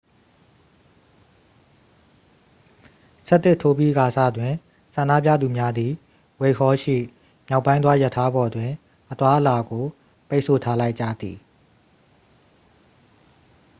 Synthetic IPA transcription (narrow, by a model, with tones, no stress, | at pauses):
sɛ˦ʔt̪ɪ˦˨tʰːo˦pji˦ʔɡa˨sa̰˦˨dwɪ̃˨ | sã˨nda̰˦˨pjä̰˦˨d̪u˨mja˦d̪i˨ | we˨hʰɔ˦ʃḭ˦˨ | mja˦ʊpːã˦ɪ̃wa˦ja˦˨tʰːa˦bɔ˨dwɪ̃˨ | ʔət̪wa˦ʔəla˨ɡo˨ | pe˦ʔsʰo˨tʰa˦la˦ɪʔt͡ɕä̰˦˨d̪i˨